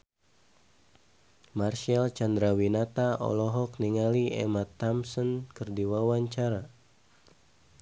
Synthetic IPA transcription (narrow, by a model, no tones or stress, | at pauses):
marʃalt͡ʃand̪ɾawinat̪aʔɔ̰lɔɦɔkniŋaliɛ̰mat̪ːamsɔnkərdiwawaɲt͡ʃaɾa